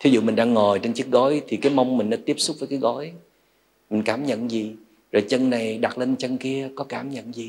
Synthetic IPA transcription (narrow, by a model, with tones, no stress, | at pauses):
t̪ʰi˨˦zṵ˧˨mï˨˩ŋ̟ɗaː˧ŋːo˨˩jt͡ɕe˧nt͡ɕi˦˥ək̚ɣɔ˨˦jt̪ʰi˨˩kaː˨˦jma˧wŋ͡mmï˨˩ŋ̟ɗa̰˨˦t̪i˦˥əp̚sʊ˦˥k͡p̚vəː˨˦jkaː˨˦jɣɔ˨˦j | mï˨˩ŋ̟kaː˨˧˩mɲə̰˧˨nzi˨˩ | zo˨˩jt͡ɕə˧nna˨˩jɗa˨˩t̚le˧nt͡ɕə˧nki˧əkɔ˨˦kaː˧˩mɲə̰˧˨nzi˨˩